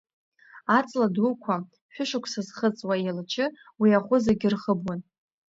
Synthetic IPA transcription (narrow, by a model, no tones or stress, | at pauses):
at͡sʼladukʷʰa | ħʷᶣʊʂakʷʰsazχət͡sʼwaelat͡ʃʰɪ | wiaχʷʊzaɡʲɪrχəbwan